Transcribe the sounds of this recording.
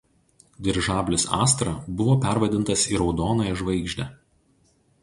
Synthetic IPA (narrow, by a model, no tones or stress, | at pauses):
d̪ʲɪɾʒɑːbʲlʲɪsɑ̰ːst̪ɾɑˑbʊʋoːpʲæɾʋɐd̪ʲɪnt̪ɐsiɾɒʊd̪oːnɑˑɪʒʋɐɪɡʒʲd̪ʲɛ